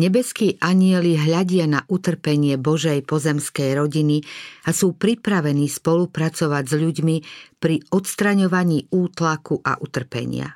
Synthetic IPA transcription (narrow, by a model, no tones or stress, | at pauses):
ɲɛbɛskiːʔaɲɪɛliɦʎaɟɪanaʔut̪r̩pɛɲɪɛbɔʒɛjpɔzɛmskɛjɾɔɟiniasuːpɾipɾaʋɛniːspɔlupɾat͡sɔʋaɟzʎuɟmipɾiɔt̪st̪ɾaɲɔʋaɲiːuːt̪lakuʔa̰ʔut̪r̩pɛ̰ɲɪ̰a̰